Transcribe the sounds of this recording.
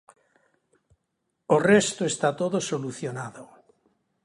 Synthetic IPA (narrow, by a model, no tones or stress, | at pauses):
orest̪oest̪at̪oðosoluθjonaðo